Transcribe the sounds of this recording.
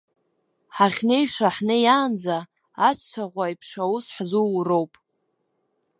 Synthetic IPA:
ħaχʲnejʂaħnɨjaːnd͡zaː | t͡ʃʷʰt͡ʃʷʰaʁʷaipʰʂausħzurowpʼ

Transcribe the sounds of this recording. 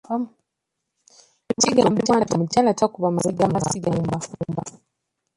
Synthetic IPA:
itiɡamtalatam̩talatakubamasiɡamasiɡaumbaumba

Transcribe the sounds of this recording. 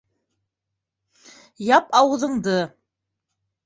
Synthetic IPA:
jɑpɑwɤ̆ðɤ̆ɴd̪ɤ

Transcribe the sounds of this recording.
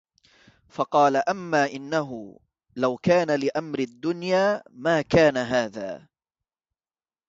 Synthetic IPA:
fɑqɑːlaʔamːaːʔɪnːaɦʊ | lawkaːnalɪʔamɾɪd̪ːʊnjaːmaːkaːnaɦaːða̰ː

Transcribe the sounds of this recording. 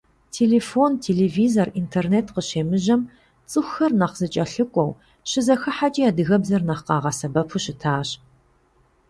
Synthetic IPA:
tʰeːleːfontʰeːleːviːzorintʰerneːtqəɕeːmɨʑɐm | t͡sʼɨxʷxɐrnɐqzɨt͡ʃʼɐɬɨkʷʼɔw | ɕɪzɐxɨħat͡ʃʼijaːdɨɣɐbzɐrnɐχqɑːʁɐsɐbɐpʰuɕɪtʰaːɕ

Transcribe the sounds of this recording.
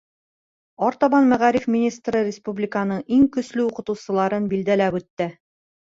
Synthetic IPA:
ɒɾt̪ɑβɑnmæʁæɾifmʲinʲist̪rɤɾʲɪspublʲɪkənɤɴiŋkɵ̆slɘuqɤ̆t̪ŭwsɤ̆lˠɑɾɤnbild̪ælæpʉt̪ːɘ

